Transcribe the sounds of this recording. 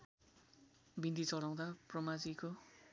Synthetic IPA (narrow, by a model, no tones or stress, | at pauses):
bind̪it͡sʌɽaw̃d̪aprʌmad͡ziko